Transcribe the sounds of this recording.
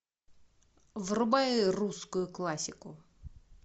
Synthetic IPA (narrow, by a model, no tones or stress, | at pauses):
vrʊbajʊruskʊjʊklˠasʲɪkʊ